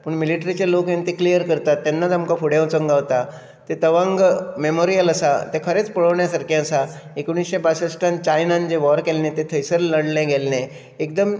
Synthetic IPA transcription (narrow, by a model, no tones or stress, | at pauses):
pəɳmiliʈɾit͡ɕalokẽnt̪iklijəɾkəɾt̪at̪ːanːad͡zamkafuɽjẽwt͡səŋɡaʋt̪a | t̪et̪əʋãŋɡmemoɾijəlasat̪ekʰəɾet͡spəɭəʋɳjasaɾkjẽsa | ekuɽ̃isɕebasəsʈãnt͡ɕajnãnd͡ʑeʋɔɾkelnet̪et̪ʰəjsəɾləɽlẽɡʱɛlne | ekd̪əm